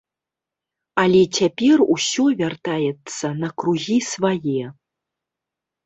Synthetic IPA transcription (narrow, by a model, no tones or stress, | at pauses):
ɐlʲɛt͡sʲapʲɛrusʲɔvʲart̪ajɛt̪sːɐnɐkɾuɣʲisvajɛ